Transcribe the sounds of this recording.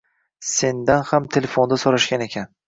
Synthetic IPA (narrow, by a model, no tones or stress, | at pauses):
se̞nd̪anhamt̪ʰe̞lefo̞nd̪asoɾaʃɡʲane̞kʲʰan